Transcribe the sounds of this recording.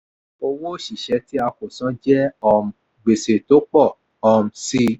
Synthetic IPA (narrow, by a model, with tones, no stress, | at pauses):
o˧wo˦ʃi˨ʃɛ˨˦ti˦a˧ko˨sã˨˦d͡ʒɛ˦ɔ˧m˨ | ɡ͡be˨se˨to˨˦k͡pɔ˦˨ | ɔ˧m̩˨si˧